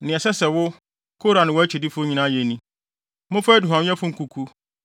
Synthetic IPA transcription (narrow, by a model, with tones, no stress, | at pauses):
nɪ̃˨ɛ˨sɛ˦sɛ˨wʊ˦ | kʰo˦ɾa˨nɪ̃˨wɔ˦æ˦t͡ɕʰi˨di˦fʊ˦ɲĩ˨˦nã˦jɛ˨nĩ˦ | mʊ̃˦fa˦æ˦du˨ɦã˨˦ɛ̃˦fʊ˦ŋ̩˦˨kʰu˨kʰu˦